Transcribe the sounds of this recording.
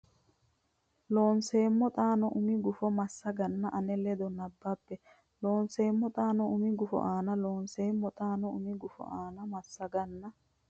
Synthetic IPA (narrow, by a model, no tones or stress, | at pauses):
lo̞ːnse̞ːmːɔt̪ʼaːnɔʔʊmɪɡʊfɔmɐsːɐɡɐnːɐʔɐnɛlɛd̪ɔnɐbːɐpːɛ | loːnseːmːɔt̪ʼaːnɔʊmɪɡʊfɔ̰ʔaːnɐloːnseːmːɔt̪ʼaːnɔʊmɪɡʊfɔ̰ʔaːnɐmɐsːɐɡɐnːɐ